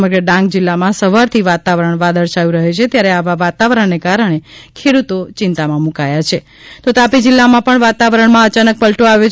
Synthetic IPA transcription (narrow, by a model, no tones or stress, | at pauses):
məɡɾəɖãŋk̚d͡ʒilːamãsəʋaɾt̪ʰiʋat̪aʋəɾəɳʋad̪əɾʃajũɾəɦet͡ʃʰet̪jaɾeaʋaʋat̪aʋəɾəɳnekaɾəɳ̃ekʰeɽut̪ot͡ʃɪnt̪amãmukajat͡ʃʰe | t̪ot̪apid͡ʒɪlːamãpəɳʋat̪aʋəɾəɳmãət͡ʃanək̚pəlʈoaʋjo